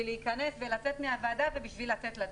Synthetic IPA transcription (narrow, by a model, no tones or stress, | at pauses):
ileikane̞sve̞lat͡se̞tmeavaːdave̞biʃvilat͡se̞tlad